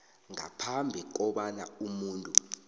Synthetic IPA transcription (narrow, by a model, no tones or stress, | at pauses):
ŋa̰pʰambʱik̬ɔɓana̰umuːntʼu